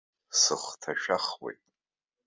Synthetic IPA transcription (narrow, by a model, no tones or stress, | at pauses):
sɨχʷtʰaʃᶣaχwḛjtʼ